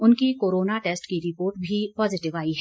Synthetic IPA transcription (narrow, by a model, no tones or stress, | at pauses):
ʊnkikoːɾoːnaʈeːsʈkiɾɪpoːɾʈbʱipɔːzɪʈɪʋaːiɦɛ